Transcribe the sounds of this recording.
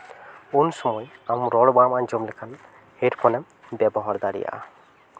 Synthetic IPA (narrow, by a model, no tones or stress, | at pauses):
unsɔmɔjamɾɔɽbamaɲd͡ʒɔmlɛkʰan | heɾkʰɔnɛm | bɛbɔɦaɾd̪aɾḭja̰ʔa̰